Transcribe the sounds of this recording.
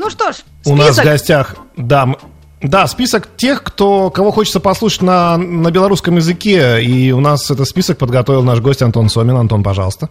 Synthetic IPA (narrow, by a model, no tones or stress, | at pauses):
nuʂt̪oʂ | sʊnasvɡɐsʲtʲaxd̪am | d̪aspʲisəktʲe̞xkt̪okɐvo̞xo̞t͡ɕɪ̥t̪səpɐslˠuʂə̥tʲnənəbʲɪlˠɐɾuskəmjɪzɨkʲeiʊnasɛt̪ət̪spʲisək̚pəd̪ɡɐt̪ovɪlˠnaʂɡosʲtʲɐnt̪o̞nsomʲɪnɐnt̪o̞npɐʐɑ̰lˠəst̪ə